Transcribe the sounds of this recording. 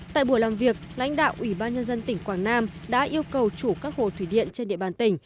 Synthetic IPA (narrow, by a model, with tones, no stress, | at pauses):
t̪a̰ː˧˨jɓu˧˩əlaː˨˩mvi˨˩ək̚la̰˧˥jŋ̟ɗa̰ː˧˨wʔi˧˩ɓaː˧nɲə˧nzə˧nt̪ï˧˩ŋ̟kwaː˧˩ŋnaː˧m | ɗa̰ː˧˥ʔi˧əwkə˨˩wt͡ɕu˧˩kaː˦˥k̚ho˨˩t̪ʰwi˧˩ɗḭ˧˨ənt͡ɕe˧nɗḭ˧˨əɓaː˨˩nt̪ï˧˩ŋ̟